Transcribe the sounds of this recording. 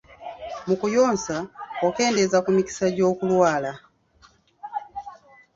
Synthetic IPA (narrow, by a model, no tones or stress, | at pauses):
mukujɔnsaɔkɛːndɛzakumiki̥saɟɔːkulwaːla